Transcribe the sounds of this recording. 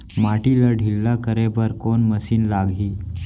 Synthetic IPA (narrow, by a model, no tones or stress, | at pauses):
maʈiləɖʱilːakəɾebəɾkonməsiːnlaɡʱiː